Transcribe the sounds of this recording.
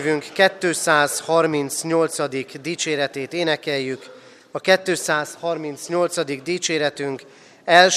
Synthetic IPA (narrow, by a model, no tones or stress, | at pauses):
vyŋkːɛt̪ːøːsaːzhɒrmint̪sɲo̞lt̪sɒd̪ikd̪iːt͡ʃeːɾɛt̪eːt̪eːnɛkɛjːyk | ɒkɛt̪ːøːsaːshɒrmint̪sɲo̞lt̪sɒd̪iɡd̪iːt͡ʃeːɾɛt̪yŋk | ɛlʃ